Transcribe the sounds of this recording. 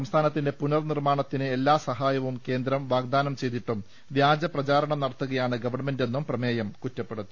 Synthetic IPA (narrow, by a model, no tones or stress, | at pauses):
sɐmst̪ʰaːnɐt̪ːinde̞punɐrnirmaːɳɐt̪ːinɨe̞lːaːsɐɦaːjɐʋumke̞ːnd̪ɾɐmʋaːɡd̪aːnɐmt͡ɕe̞jt̪iʈːum | ʋjaːd͡ʑɐprɐt͡ɕaːɾɐɳɐmnɐɽɐt̪ːuɣɐjaːɳɨɡɐʋɐrɳɐme̞nde̞nːumprɐme̞ːjɐmkutːɐpːeɽut̪ːi